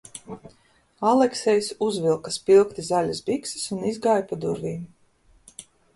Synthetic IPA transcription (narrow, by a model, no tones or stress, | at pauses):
alˠɛksɛjsuzvilˠkaspilˠkt̪izalʲasbiksi̥sunizɡajpad̪uɾvʲiːm